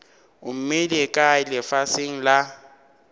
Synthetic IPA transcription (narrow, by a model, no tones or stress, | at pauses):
ʊm̩melekʼaɪlɪfasɪŋ̩la